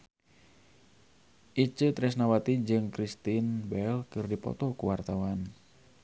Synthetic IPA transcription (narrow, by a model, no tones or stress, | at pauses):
ʔit͡ʃət̪ɾɛs̬nawat̪id͡ʒɨŋkɾist̪inbɛlkɨrdipɔ̰t̪ɔkuwart̪awan